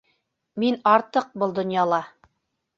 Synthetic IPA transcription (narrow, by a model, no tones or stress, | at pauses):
minɑɾt̪ɤq̚bɤlˠd̪ŏnjɑlˠɑ